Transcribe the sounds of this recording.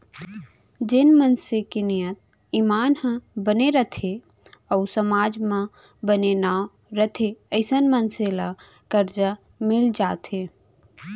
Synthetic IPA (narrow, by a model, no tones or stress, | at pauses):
d͡ʒɪnmənsekenijət̪̚ | iːmaːnhə̃bəneɾət̪ʰe | əʊsəmaːd͡ʒmã | bənena | ɾət̪ʰeəɪsənmənsela | kəɾd͡ʒa | mɪld͡ʒaːt̪ʰe